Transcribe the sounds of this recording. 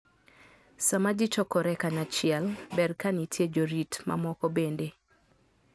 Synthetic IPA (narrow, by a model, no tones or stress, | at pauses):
samad͡ʒit͡ʃɔkɔɾɛkanat͡ʃɪɛlbɛrkanitʰjed͡ʒoɾitma̰mɔkɔbende